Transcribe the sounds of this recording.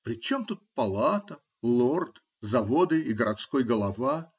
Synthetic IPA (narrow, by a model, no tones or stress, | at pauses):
pɾʲɪt͡ɕo̞mt̪ut̪̚pɐlˠat̪ə | lˠort̪ | zɐvod̪ɨiɡəɾʔɐt̪skojɡəlˠɐva